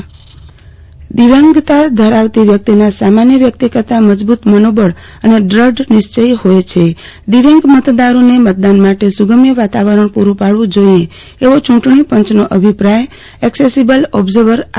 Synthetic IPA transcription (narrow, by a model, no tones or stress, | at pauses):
d̪iʋãŋɡt̪ad̪ʱəɾaʋt̪iʋjək̚t̪inasamanjəʋjək̚t̪ikət̪aməd͡ʒbut̪mənobəɭ | əneɖɾəɖnɪʃt͡ʃəjhojt͡ʃʰe | d̪iʋãŋɡmət̪d̪aɾonemət̪̚d̪anmaʈesuɡəmjəʋat̪aʋəɾəɳpuɾũpaɽʋũd͡ʒoie | eʋot͡ʃũʈɳipəɲt͡ʃnoʔəbʱipɾaj | ɛksesibəlɔbzəɾʋəɾ